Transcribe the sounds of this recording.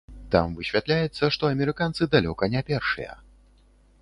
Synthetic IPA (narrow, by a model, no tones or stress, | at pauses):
t̪a̰mvɨɕʲvʲat̪lʲajɛt̪sːɐʂt̪ɔɐmʲɛɾɨkant̪sɨd̪alʲɔkɐnʲɛpʲɛrʂɨ̰jɐ̰